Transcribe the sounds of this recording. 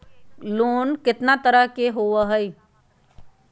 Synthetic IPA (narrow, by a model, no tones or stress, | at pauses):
loːnkɪt̪nat̪əɾəɦkeɦoʋəɦəi